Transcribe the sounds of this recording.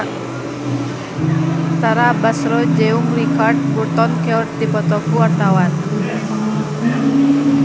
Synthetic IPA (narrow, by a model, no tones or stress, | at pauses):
t̪aɾabasɾɔd͡ʒɛumrikard̚burt̪ɔnkɛɔrt̪̚dipɔt̪ɔkuwart̪awan